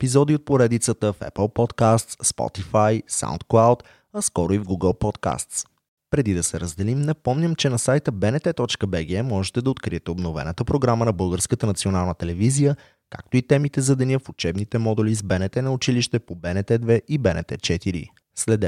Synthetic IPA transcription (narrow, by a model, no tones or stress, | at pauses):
ɛpizɔd̪iot̪̚poɾɛd̪it̪sət̪əfɛ̰pəlˠpɔt̪kast̪sspɔ̰t̪ifajsa̰wnt̪̚klˠawt̪ | ɐskɔɾoivɡuɡəlˠpɔt̪ka̰st̪s | pɾɛd̪id̪ɐsɛɾəzd̪ɛlimnɐpɔmnʲəmt͡ʃɛnɐsajt̪əbɛnɛt̪ɛt̪ɔt͡ʃkəbɛɡ̟ɛmɔʒɛt̪ɛd̪ɐot̪kɾiɛt̪ɛobnovɛ̰nət̪əpɾoɡɾamənɐbɤlˠɡəɾskət̪ənɐt̪sionalˠnət̪ɛlɛvizijə | ka̰k̚t̪oit̪ɛmit̪ɛzɐd̪ɛnʲəfʊt͡ʃɛbnit̪ɛmɔd̪ɛlizbɛnɛt̪ɛnɐʊt͡ʃiliʃt̪ɛpobɛnɛt̪ɛd̪vɛʔibɛnɛt̪ɛt͡ʃɛt̪iɾḭ | slɛd̪ɛ